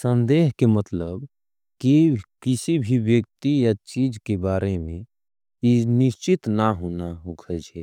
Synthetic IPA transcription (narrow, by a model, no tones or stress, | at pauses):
sə̃nd̪eːɦkemət̪ləb | kikɪsibʱiwjək̚t̪ijat͡ʃiːd͡ʒkebaːɾemẽ | inɪʃt͡ʃɪt̪naɦoːnaɦokʰəd͡ʒɛː